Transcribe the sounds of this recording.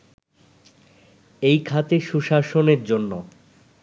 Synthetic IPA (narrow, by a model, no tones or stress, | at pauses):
ejkʰat̪eʃuʃaʃoneɾd͡ʑonːo